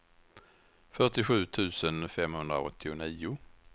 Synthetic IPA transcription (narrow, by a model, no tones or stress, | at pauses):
fœʈɪɧʉ̟ːt̪ʰʉ̟ːsənfɛmhɵnd̪ɾa̰ɔ̰t̪ʰːɪʊniːʊ